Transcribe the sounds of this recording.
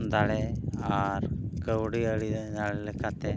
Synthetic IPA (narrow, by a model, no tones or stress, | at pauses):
d̪aɽeaɾkəwɽiəɽid̪ɛd̪aɭɛlɛkat̪ɛ